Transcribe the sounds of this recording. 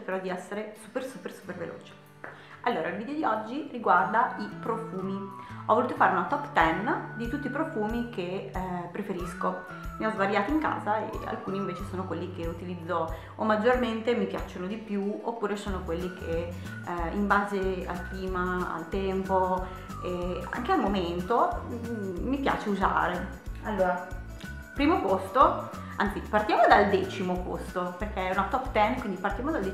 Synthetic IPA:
t͡ʃrkeɾɔd̪iɛsːeɾesupersupersu̥pervḛlʔo̰ːt͡ʃe̥ | alːoːɾailvid̪eod̪iɔd͡ʒːiriɡward̪aipɾofuːmiɔvoluːt̪ofaːɾeunat̪ɔpːt̪ɛnd̪it̪ut̪ːiːpɾofuːmikepːɾefeɾisko | miɔzvaɾjaːt̪oiŋka̰ːzaḛa̰lkuːniːɱveːt͡ʃesoːnokwelːik̟eut̪ilid̪zːo | omːad͡ʒːorment̪emipja̰t͡ʃːonod̪ipjuo̰pːuːɾesoːnokwelːikʰe | imbaːzea̰lkliːmaa̰lt̪ɛmpo | ea̰ŋk̟ealmoment̪oː | ipja̰ːt͡ʃeuza̰ːɾe | alːoːɾa | pɾiːmopost̪o | a̰nt̪sipart̪jaːmod̪ald̪ɛːt͡ʃimopo̰st̪operkeɛunat̪ɔpt̪ɛnkwind̪ipart̪jaːmod̪ald̪e

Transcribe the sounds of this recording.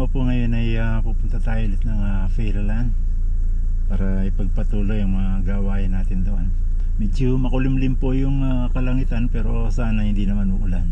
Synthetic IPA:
opoŋɐjo̞nɐjapupʊnt̪ɐt̪aːjolɪt̪nɐŋa | fɛɾlan | paːɾɐɪpɐɡ̚pɐt̪uːlojʊŋmɐŋaɡaːwaːjɪnaːt̪ɪnd̪ɐʔon | mɛd͡ʒomɐkʊlɪmlɪmpojʊŋa | kɐlɐŋiːt̪anpɛːɾo̞ | saːnɐhɪnd̪inɐmanmʊɡʊlan

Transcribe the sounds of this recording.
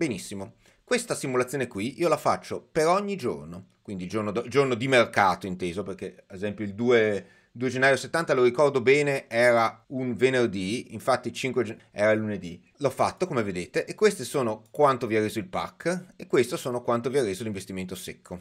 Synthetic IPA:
benisːimo | kwest̪asimulat̪sjoːnekwiiːolafat͡ʃːopeɾɔɲːid͡ʒo̰rnokwind̪id͡ʒornod̪d͡ʒornod̪imerkaːt̪oint̪eːzoperkead̪ezɛmpjoild̪uːe | ild̪ued͡ʒenːaːjoset̪ːant̪aloɾikɔrd̪obɛːneɛːɾaunvenerd̪iiɱfat̪ːit͡ʃiŋkwed͡ʒ | ɛ̰ːɾailːuned̪i | lɔfat̪ːokomeved̪eːt̪eʔekːwest̪esoːnokwant̪oviarːeːzoilpa̰kːekːwest̪osoːnokwant̪oviarːeːzoliɱvest̪iment̪osekʰːo

